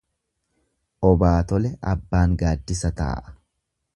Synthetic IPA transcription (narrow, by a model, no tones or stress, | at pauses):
ʔɔbaːt̪ɔlɛʔɐbːaːŋɡaːd̪ːɪsɐt̪a̰ːʔɐ̥